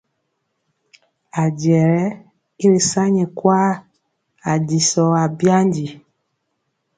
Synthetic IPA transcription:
a˨ɟɛ˨ɾɛ˦ | i˦ɾe˨sa˦ɲɛ˨kwa˦ | a˨di˨sɔ˨a˨bja˦ndi˨

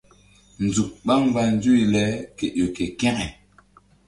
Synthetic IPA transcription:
n̩˨d͡zu˨k̚ɓa˦ŋ˦va˨n̩˦d͡zu˦i˨lɛ˨˦kɛ˨ʔo˨kɛ˨kɛ˦ŋɛ˨

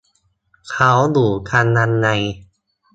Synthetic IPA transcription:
kʰa˦˥wd̪uː˨˩kʰa˧nːa˧nːa˧j

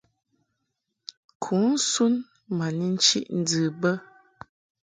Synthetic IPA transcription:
kʰu˨˦n̩˦su˦n | ma˨ni˦n̩˦t͡ʃḭ˦ʔn̩˦d͡zɨ˨bə˦

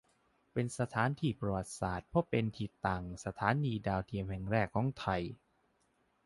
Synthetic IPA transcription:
pe˧nsa˧t̪ʰaː˨˦˥nt̪ʰiː˧˩pɾa˧wa˨˩t̪̚saː˨˩t̪̚pʰɔ˦˥pːe˧nt̪ʰiː˨˩t̪aː˨˩ŋsa˧t̪ʰaː˩˦˥nːiː˧daː˧wt̪ʰi˧əmhɛ˨˩ŋɾɛː˥˩kʰːɔː˩˦ŋt̪ʰa˧j

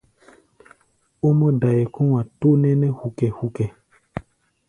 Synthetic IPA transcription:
o˦mɔ̃˦da˨jɛ˨kõ˦wã˨to˦nɛ̃˦nɛ˦hu˨kɛ˨hu˨kɛ˨

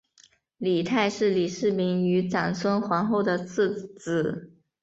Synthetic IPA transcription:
li˨˩t̪ʰa˥˧ɪʂɻ̩˥˩li˨˩ʂɻ̩˥˩mi˧˥ŋy˧˥ʈ͡ʂa˨˩nsʰwə˥nxwa˧˥ŋxo˥˩ʊd̪ə˩t͡s̩ʰ˥˩t͡sɹ̩˨˩˦

